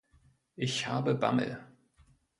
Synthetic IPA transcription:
ʔɪçhaːbəba̰ml̰

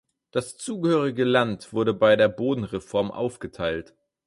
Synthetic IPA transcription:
d̥ast͡suːɡəhøːʁɪɡəlantv̥ʊɐɾəbaɪdeːɐboːdn̩ʁefɔɐmʔa̰ʊfɡ̥ətʰaɪlt

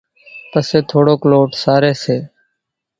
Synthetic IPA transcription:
pəseːt̪ʰoːɽoːkloːʈsaːɾeːseː

